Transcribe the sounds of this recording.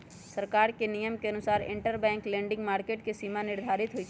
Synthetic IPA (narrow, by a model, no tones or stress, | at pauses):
səɾkaːɾkenijəmkeɐnʊsaːɾɪ̰̃ɳʈəɾbɛ̃ːŋklẽːɳɖɪ̃ŋɡmaːɾkeːʈkesimanɪɾd̪ʱaːɾɪt̪ɦʊi